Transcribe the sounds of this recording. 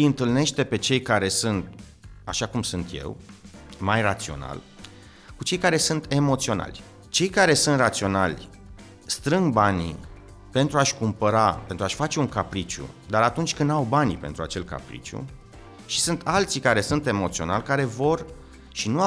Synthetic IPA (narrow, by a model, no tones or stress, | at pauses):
jɨnt̪ɨlne̞ʃt̪e̞pe̞t͡ʃe̞jkaɾe̞sɨnt̪̚ | aʃakumsunt̪je̞̰wmajrat̪sio̞̰na̰l | kut͡ʃe̞jkaɾe̞sunt̪e̞mo̞t̪sio̞na̰lʲ | t͡ʃe̞jkaɾe̞sunt̪rat̪sio̞nalʲ | st̪ɾɨŋɡ̚banḭ | pe̞nt̪ɾuaʃʲkumpəɾape̞nt̪ɾaʃʲfat͡ʃe̞uŋkapɾit͡ʃṵd̪aɾat̪unt͡ʃʲkɨnd̪awbanʲpe̞nt̪ɾua̰t͡ʃe̞lka̰pɾḭt͡ʃṵ | ʃi̥sɨnt̪alt̪sikaɾe̞sunt̪e̞mo̞t̪sio̞na̰lʲkaɾe̞vo̞r | ʃinua